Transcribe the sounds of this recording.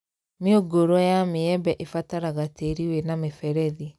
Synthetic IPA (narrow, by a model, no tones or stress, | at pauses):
meoɡoɾɔjameɛbɛʔefataɾaɣateɾiwenamefɛɾɛði